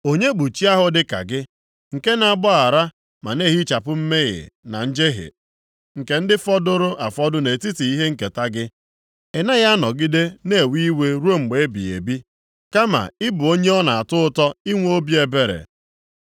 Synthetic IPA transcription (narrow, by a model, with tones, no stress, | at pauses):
o˦ɲe˦ɡ͡bu˨t͡ʃi˦a˦ɦʊ˨dɪ˦ka̰˨ɡɪ˦ | ŋ̩˨ke˦na˨ɡ͡bɔ˦a˨ɾa˦ | ma̰˨ne˦ɦi˦t͡ʃa˨pʊ˦m̩˦me˦ɣɪ̰˨na̰˨n̩˦d͡ʒe˦ɦɪ̰˨ | ŋ̩˨ke˨n̩˦dɪ˦fɔ˦dʊ˦ɾʊ˦ʔa˨fɔ˦dʊ˦ne˨ti˦ti˨i˦ɦe˦ŋ̩˨ke˨ta˦ɡɪ˦ | e˨na˦ɣa˦nɔ˨ɡɪ˦de˦ne˦˨wi˦we˦ɾu˦o˦˨ŋ͡m̩˨ɡ͡be˨e˦bḭ˨ḛ˨bi˦ | ka˦ma̰˨ɪ˦bʊ˨o˦ɲe˦ɔ˦na˨a˨tʊ˦ʊ˦tɔ˦i˦ŋʷ˦o˦bi˦e˨be˨ɾḛ˨